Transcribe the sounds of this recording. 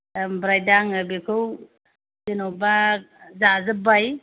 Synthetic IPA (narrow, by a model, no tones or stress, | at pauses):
mbɾajdaŋɯbekʰɯw | zinobazazɯbaj